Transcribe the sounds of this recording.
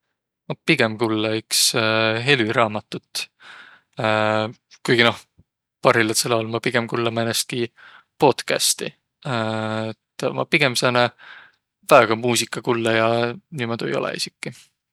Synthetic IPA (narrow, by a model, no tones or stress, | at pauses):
mɑpiɡ̥emkulːɑyksɦe̞lyɾɑːmɑt̪ːˑut̪ːˑ | kujɡ̥ino̞h | pɑrilɑt̪selɑolmɑpiɡ̥e̞mkulːemɑenːest̪̚ki | po̞ːt̪kæ̰st̪ḭ | et̪ːmɑ̰piɡ̥e̞msɑːne | væːɡ̥ɑmuːsikːˑɑkulːɑjɑniːmod̪̥uejo̞̰lɛ̰ḭsikˑːi